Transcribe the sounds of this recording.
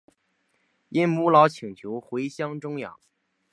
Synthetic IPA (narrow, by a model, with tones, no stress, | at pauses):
i˥nmu˥lɑ˧˥ʊt͡ɕʰi˨˩ŋt͡ɕʰjo˧˥ʊxwe˧˥ɪɕjɑ˥ŋʈ͡ʂʊ˥ŋjɑ̰˨˩˦ŋ